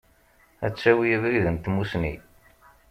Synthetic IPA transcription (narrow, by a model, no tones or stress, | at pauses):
æ̰t͡sːæwijəvɾiðənt̪musnḭ